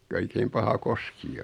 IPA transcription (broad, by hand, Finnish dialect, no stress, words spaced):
ko oikeim pɑhɑ koski